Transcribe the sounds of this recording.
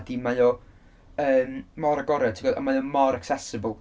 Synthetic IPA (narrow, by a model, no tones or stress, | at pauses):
dimajɔ | əːmmɔɾaɡɔɾɛdtʰiɡɔdɔ̰majɔmɔɾaksɛsəbəlˠ